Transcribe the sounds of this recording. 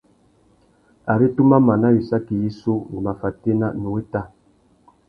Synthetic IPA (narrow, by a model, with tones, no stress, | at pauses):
a˨ɾi˦tu˦ma˦ma˨na˦ji˨sa˦ki˨ji˦so˦wṵ˨ma˨fa˨te˦na˦no˨we˦ta˦˨